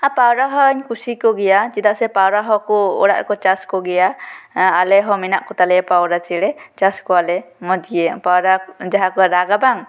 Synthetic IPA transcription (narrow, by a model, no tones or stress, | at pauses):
apawɾaɦɔɲkusikɔɡɛjad͡ʒid̪asɛpawɾaɦɔkɔɔ̰ɽa̰ʔɾ̰kɔt͡ʃaskɔɡɛjaː | lɛɦɔmina̰ʔkɔt̪alɛpawɾat͡ʃiɽɛt͡ʃaskɔalɛmɔd̪iɛpawɾad͡ʒaɦakɔɾaɡabaŋ